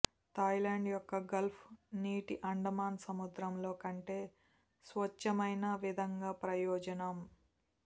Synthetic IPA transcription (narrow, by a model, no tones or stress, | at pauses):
t̪ɐjlaːɳɖjɔkːɐɡɐlpʰniːʈiʔɐɳɖɐmaːnsɐmud̪ɾɐmlo̞ːkɐɳʈeː | sʋɐt͡ʃːɐmɐjnɐʋid̪ʱɐŋɡaːpɾɐjɔːd͡ʒɐnɐm